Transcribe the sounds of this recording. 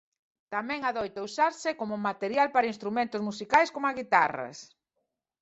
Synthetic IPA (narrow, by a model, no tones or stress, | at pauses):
t̪amɛ̃ŋaðojt̪ausaɾsɪkomʊmat̪eɾjalpaɾɐinst̪ɾumẽnt̪ʊzmusikajskomaɣit̪a̰rɐ̰s